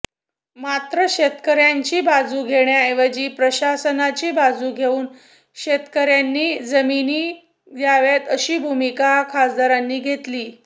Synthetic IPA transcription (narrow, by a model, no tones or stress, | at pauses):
mat̪ɾəɕet̪kəɾjaɲt͡ɕiːbad͡zuːɡʱeɳjaeʋəd͡ʑiːpɾəɕasənat͡ɕiːbad͡zuːɡʱeuːn | ɕet̪kəɾjanːiːd͡zəminiː | d̪jaʋet̪əɕiːbʱumikakʰasd̪ʱaɾanːiːɡʱet̪liː